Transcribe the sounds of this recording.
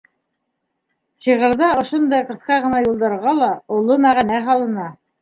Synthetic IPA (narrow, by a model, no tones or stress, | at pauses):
ʃiʁɤ̆ɾðɑŏʃond̪ɑjqɤ̆θqɑʁɤ̆nɑjulˠd̪ɑɾʁɑlˠɑulˠomæʁænæɦɑlˠɤ̆nɑ